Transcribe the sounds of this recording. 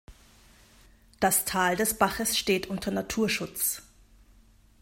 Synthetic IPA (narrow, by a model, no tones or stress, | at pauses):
d̥astʰaːldɛsb̥aχəsʃteːtʔʊntɐnatʰuːɐʃʊt͡s